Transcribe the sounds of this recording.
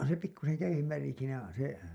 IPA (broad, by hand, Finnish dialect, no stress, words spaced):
se pikːusen jæijˑeʋ ʋæli siːnæ se